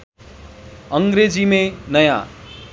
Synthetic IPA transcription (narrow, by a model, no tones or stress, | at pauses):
ʌŋɡɾed͡zimenʌja̰